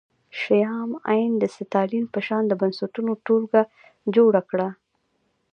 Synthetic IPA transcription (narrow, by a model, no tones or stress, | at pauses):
ʃajɑma̰jnd̪əsɪt̪ɑlinpəʃɑnd̪əbansat̪unoʈolɡa | d͡ʒoɽakɽa